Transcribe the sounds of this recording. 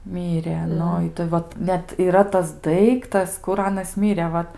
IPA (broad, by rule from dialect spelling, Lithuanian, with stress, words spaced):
ˈmʲiːrʲɛ ˈnʊ ˈɪtɐɪ ˈʋɐt ˈnʲɛt iːˈrɐ tɐs ˈdɐɪktɐs kʊr ˈɑːnɐs ˈmʲɪrʲɛ ˈʋɐt